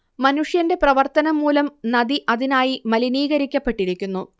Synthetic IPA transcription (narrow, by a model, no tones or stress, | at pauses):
mɐnuʂjɐnde̞prɐʋɐrt̪ɐnɐmːuːlɐmnɐðiʔɐðinaːjimɐliniːɣɐɾikʲːɐpːe̞ʈːiɾikʲːunːu